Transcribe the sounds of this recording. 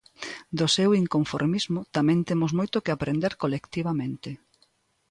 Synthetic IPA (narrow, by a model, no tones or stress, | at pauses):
d̪osewiŋkoɱfoɾmizmʊt̪amɛ̃nt̪emʊzmojt̪ʊkɪapɾend̪eɾkolekt̪iβamẽnt̪ɪ